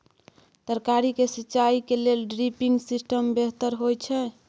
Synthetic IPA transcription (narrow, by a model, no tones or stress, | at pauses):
t̪əɾkaɾikesiːt͡ʃaikelelɖɾipiŋɡsisʈəmbeɦt̪əɾɦojt͡ʃʰɛ